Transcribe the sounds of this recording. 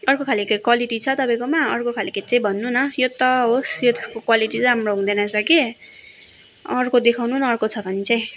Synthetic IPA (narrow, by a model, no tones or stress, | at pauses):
ʌrkokʰalikakwaliʈit͡sʰʌt̪ʌpaj̃komaʌ̰rkokʰaliket̪̚t͡saĩbʱʌnːunʌjot̪ʌɦosjot̪eskokwaliʈĩɦamroɦũd̪ʌnasʰʌke | ʌrkod̪ekʰawnunʌːrkot͡sʰʌbʱʌnit͡saj̃